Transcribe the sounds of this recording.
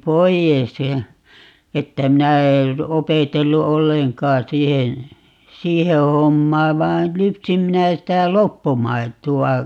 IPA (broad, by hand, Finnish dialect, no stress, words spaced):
poijes jɑ etːæ minæ er opetelːu olːeŋkɑː siːhen siːhe homːɑː ʋɑin lypsim minæ sitæ lopːumɑituɑ